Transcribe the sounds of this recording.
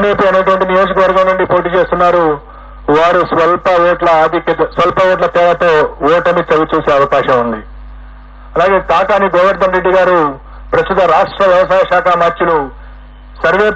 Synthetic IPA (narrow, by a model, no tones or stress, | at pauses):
neːpuɐnːɐʈ̬ʋɐɳʈinijo̞ːd͡ʒɐkɐʋɐɾɡɐmnuɳɖipo̞ːʈiːt͡ʃeːst̪unːaːɾu | ʋaːɾusʋɐlpɐɔːʈlɐːd̪ikɐt̪ɐsʋɐlpɐɔːʈ̬lɐt̪ɛːlɐt̪oːɔːʈɐnit͡ʃ̪ɐɡut͡ʃuːseːɐʋɐkaːʃɐmund̪i | ɐlaːɡe̞ːt̪aːkaːniɡɔːʋɐɾt̪ɐnɾeɖːiɡaːɾu | pɾɐst̪ut̪ɐɾaːʂʈɾɐʋjɐʋɐʃaːɐʃaːkɐmaːɾt͡ʃulu | sɐɾʋeː